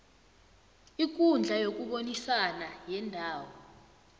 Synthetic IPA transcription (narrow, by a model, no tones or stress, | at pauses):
ik̬ʼund͡ɮʱajok̬ʼuɓonisanajɛndʱaːwɔ